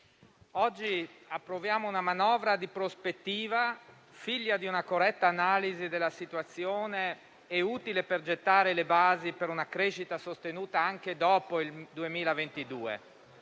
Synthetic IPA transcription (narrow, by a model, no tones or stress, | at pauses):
ɔd͡ʒːiapːɾovjaːmounamanɔːvɾad̪ipɾospet̪ːiːva | fiʎːad̪iunakorːɛt̪ːaːnaːlizid̪elːasit̪wat̪sːjoːne | ɛuːt̪ileperd͡ʒet̪ːaːɾelebaːzipeɾunakɾeːʃit̪asost̪enuːt̪aaŋk̟ed̪ɔːpoild̪uemiːlavent̪id̪uːḛ